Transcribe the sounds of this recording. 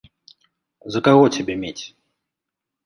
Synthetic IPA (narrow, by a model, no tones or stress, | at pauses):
zɐkaɣɔt͡sʲabʲemʲet͡sʲ